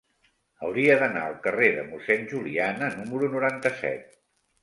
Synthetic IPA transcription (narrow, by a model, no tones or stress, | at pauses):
əwɾiəðəna̰əlˠkəreðə̰musɛnʲʒulianənuməɾunuɾant̪əsɛ̰t̪̚